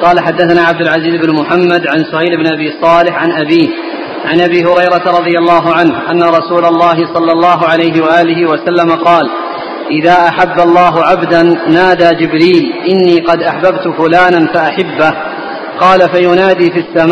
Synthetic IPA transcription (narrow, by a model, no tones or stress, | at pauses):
qɑːlaħad̪ːaθanaːʕab̚d̪ʊlʕaziːzɪbnmʊħamːad̪ʕansʊhajlɪbnʔabiːsˤɑːlɪħʕanʔabiːh | ʕanʔabiːɦʊɾɑjɾɑt̪aɾˤɑðˤɨjalːɑːɦʊʕanhʔanːaɾˤɑsuːlalːɑːɦɪsˤɑlːɑlːɑːɦʊʕalajɦɪwaʔaːlɪɦɪwasalːamaqɑːl | ʔɪðaːʔaħabːalˤːɑːɦʊʕabd̪anːaːd̪aːd͡ʒɪbɾiːlʔɪnːiːqɑd̪ʔaħbabt̪ʊfʊlaːnanfaʔaħabːa | qɑːlafajʊnaːd̪iːfisːam